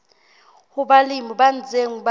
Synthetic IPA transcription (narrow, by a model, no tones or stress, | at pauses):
huɓalimiɓand͡zʱeŋ̩ɓa